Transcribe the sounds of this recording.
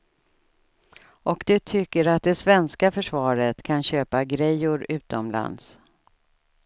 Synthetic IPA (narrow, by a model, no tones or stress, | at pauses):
ʔɔkd̪ɵt̪ʰʏkːəɾat̪̚d̪ɛsvɛnskafœʂvɑːɾət̪kʰanɕøːpaɡɾɛjːʊɾʉ̟ːt̪ɔmla̰nd̪s